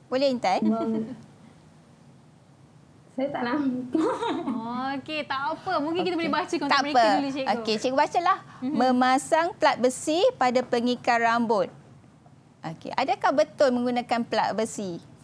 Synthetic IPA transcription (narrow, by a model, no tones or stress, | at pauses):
bolɛhint̪aimə | sajat̪aʔna | ket̪aʔapəmũŋkɪnkit̪abolebat͡ʃəkɔt̪aepəlit͡ʃeoket͡ʃeʔkobat͡ʃalahmə̃mãsaŋpəlat̪̚bəsipadapəŋikarambot̪̚ | ʔokḛʔadakahbət̪ʊlmə̃ŋɡunãkanpla̰t̪̚bəsi